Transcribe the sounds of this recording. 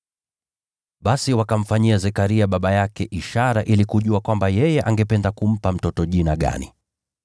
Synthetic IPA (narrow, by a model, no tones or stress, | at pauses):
ɓasiwakam̩faɲiazɛkaɾiaɓaɓajakɛʔiʃaɾaʔilikuʄuakwambajɛjɛʔaŋɡɛpɛndakum̩pam̩tɔtɔʄinaɠa̰nḭ